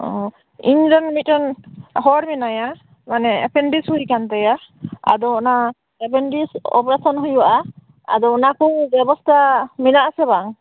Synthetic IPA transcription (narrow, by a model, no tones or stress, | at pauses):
ɔ | ḭɲɾɔnmit̚ɔnhɔɾminaja | manɛɛ̰pʰɛnɖishujkant̪ɛjaa̰d̪ɔɔna | ɛpɛnɖisɔ̰pɾasɔnɦujuwaʔa | a̰d̪ɔnakɔbɛbɔst̪ʰaminaʔasɛbaŋ